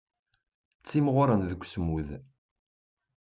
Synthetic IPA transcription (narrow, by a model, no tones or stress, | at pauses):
t͡sːimʁʊɾˤənðəkʷːsəmuð